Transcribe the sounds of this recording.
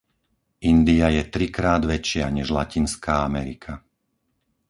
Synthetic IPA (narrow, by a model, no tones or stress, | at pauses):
ʔind̪iajɛt̪ɾikɾaːd̪ʋɛt͡ʃɪaɲɛʒlacinskaːamɛɾikʰa